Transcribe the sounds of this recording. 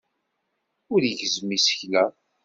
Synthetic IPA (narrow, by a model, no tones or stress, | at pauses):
ʊɾjəʝəzmisə̥çlæ